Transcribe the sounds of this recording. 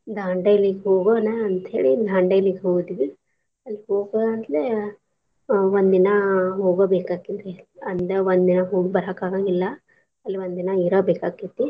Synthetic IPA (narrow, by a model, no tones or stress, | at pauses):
d̪ʱaːɳɖɐjliɡɦoːɡonɐɐnt̪ḛːɭid̪ʱaːɳɖɐjliɡɦoːɡd̪iʋi | ɐlːiɦoːɡɐɐnt̪le | ʋond̪inɐɦoːɡobeːkaːkint̪eɐnd̪eʋond̪inɐɦoːɡibɐɾakaːɡaɡilːɐ | ɐlːiond̪inɐiɾɐbeːkaːkːit̪ːi